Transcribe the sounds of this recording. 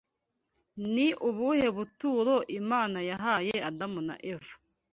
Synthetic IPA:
niʔuβuhe̞βutuːɾoʔimaːnajaɦaːjeadamuna̰ʔevu̥

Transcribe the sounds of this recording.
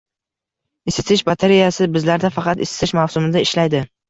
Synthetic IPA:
ɪsɪ̥t̪ʰɪʃbat̪ʰeɾijasɪbɪzlaɾd̪afɑqɑt̪ɪsɪ̥t̪ɪʃmawsʊmɪd̪aɪʃlajd̪ɪ

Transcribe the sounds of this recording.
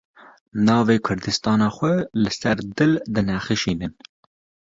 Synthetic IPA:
nɑːveːkʷʰʊɾd̪ɨst̪ɑːnɑːxʷɛlɨsɛɾd̪ɨld̪ɨnɛxɨʃiːnɨn

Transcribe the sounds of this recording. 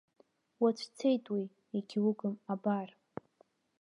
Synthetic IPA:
wat͡ʃʷʰt͡sʰejtʼwi | iɡʲiwʊɡɨmabar

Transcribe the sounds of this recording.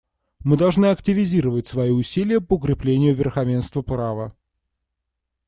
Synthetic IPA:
mɨd̪ɐlˠʐnɨɐktʲɪvʲɪzʲiɾəvətʲsvɐiʊsʲilʲɪjəpəʊkɾʲɪplʲenʲɪjʊvʲɪrxɐvʲenst̪vəpravə

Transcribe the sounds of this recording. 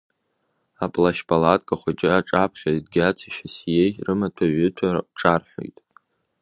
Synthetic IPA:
apʼlaʃpʰʼalatʼkʼaχʷat͡ʃʼɪaʈ͡ʂʼapʰχʲadɡʲat͡sʰiʃasjejrɨmatʰaɥʊtʰarʈ͡ʂʼarħʷᶣo̰jtʼ

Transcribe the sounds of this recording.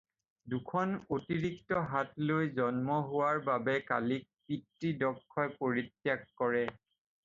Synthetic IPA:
dukʰɔnotiɹiktɔɦatlojzɔnmɔɦʊwaɹbabɛka̰lik̚pitɹidɔkʰːɔjpoɹitjakːɔɹɛ

